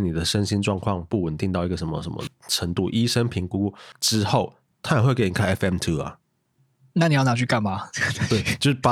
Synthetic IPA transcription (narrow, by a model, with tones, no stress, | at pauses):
ni˨d̪ə˩ʂə˦nɕi˦nʈ͡ʂwɑ˥˧ŋkʰwɑ˥˧ŋpu˥˩wə˨nt̪i˥˧ŋt̪ɑ˥˩ʊi˧˥ɡə˨˩ʂə˧˦nmə̰˨˩ʂə˧˦nmə̰˨˩ʈ͡ʂʰə˧˦ŋt̪u˥˨ʔi˦˥ʂə˦npʰi˧˥ŋku˥ʈ͡ʂɻ̩˦˥xo˥˩ʊ | t̪ʰa˥jxwe˥˧ke˥˩ni˨˩kʰa˥ɪɛ˦˥fɛ˥˩mt̪ʰu˦˥ɐ̰˨˩ | na˥˩ni˨jɑ˥˩na˨˥t͡ɕʰy˥˧ka˥˩nma˩˥t̪we˥˩ɪt͡ɕjo˥˧ʊʂ̩˥˩pa˦